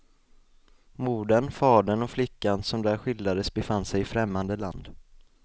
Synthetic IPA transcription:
muːɖənfɑːɖəɳɔflɪkːansɔmd̪æːɾɧɪld̪ad̪əsbɛfanːsɛjɪfɾɛmːand̪əla̰nd̪

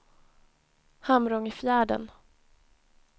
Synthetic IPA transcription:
hamɾɔŋɪfjæːɖə̰n

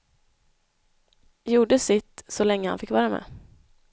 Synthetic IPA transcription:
juːɖəsɪt̪sɔlɛŋːəha̰nfɪkːvɑːɾamḛː

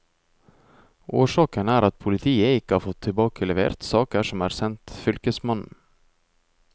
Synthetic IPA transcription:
ʔoːʂɑːkənæːɾɑt̪̚pʰʊlɪt̪ʰiːəɪkːəhɑːɾfɔt̪ʰːɪlbɑːkəlɛʋḛːɾt̪sɑːkəʂɔmæːɾsɛnt̪fʏlkəsmɑnn̩

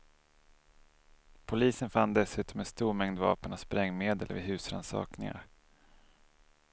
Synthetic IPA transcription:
pʰʊliːsənfand̪ɛsʉ̟ːt̪ɔmɛnst̪uːɾmɛŋd̪vɑ̰ːpənaspɾɛŋːmeːd̪əlvɪ̰ɦʉ̟ːsɾa̰nsɑ̰ːknɪŋa̰ɾ

